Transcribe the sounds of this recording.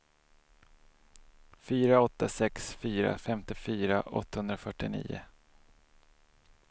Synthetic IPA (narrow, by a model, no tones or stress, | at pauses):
fyːɾaɔt̪ːasɛksfyːɾa̰fɛmt̪ɪfyːɾaʔɔ̰t̪ːahɵnd̪ɾafœʈːɪnḭːʊ̰